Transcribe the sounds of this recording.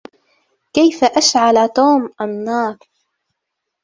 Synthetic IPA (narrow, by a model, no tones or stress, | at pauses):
kajfaʔaʃʕalat̪oːmʔanːɑːɾ